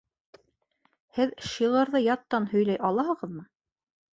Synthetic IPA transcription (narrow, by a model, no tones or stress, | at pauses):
hɘðʃiʁɤ̆ɾðɤjɑt̪ːɑnhɵ̆jlæjʔɑlˠɑɦɤ̆ʁɤ̆ðmɤ